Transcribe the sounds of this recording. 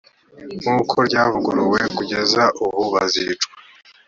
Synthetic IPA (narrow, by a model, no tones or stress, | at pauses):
ŋuːkʰo̞ɾɟaːvuɡuɾuwe̞kuɟe̞zaʔuβuβazit͡ʃkwḁ